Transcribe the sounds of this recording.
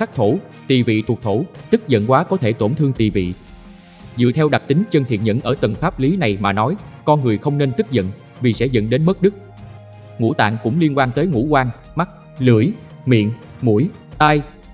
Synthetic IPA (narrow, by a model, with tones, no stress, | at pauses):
xa˦˥k̚t̪ʰo˧˩ | t̪i˨˩vḭ˧˨t̪ʰu˨˩k̚t̪ʰo˧˩t̪ɨ˦˥k̚zə̰˧˨nkwaː˨˦kɔ˨˦t̪ʰe˧˩t̪o˧˩nt̪ʰɨ˧əŋt̪i˨˩vḭ˧˨ | zɨ̰˧˨t̪ʰɛ˧wɗa˨˩k̚t̪ï˨˦ŋt͡ɕə˧nt̪ʰi˨˩ən̚ɲə̰˧˥˨nʔəː˧˩t̪ə˨˩nfaː˦˥p̚li˨˦na˨˩jmaː˨˩nɔ˨˦jkɔ˧nŋɨ˨˩əjxə˧wŋ͡mne˧nt̪ɨ˦˥k̚zə̰˧˨n | vi˨˩sɛ̰˧˥zə̰˧˨nɗe˨˦nmə˦˥t̚ɗɨ˦˥k̚ | ŋṵ˧˥t̪a̰ː˧˨ŋkʊ̰˧˥ŋ͡mli˧ənkwaː˧nt̪əː˨˦jŋṵ˧˥kwaː˧ŋ | ma˦˥k̚ | lɨ˧˩əj | mḭ˧˨ən | mu˧˩j | t̪aː˧j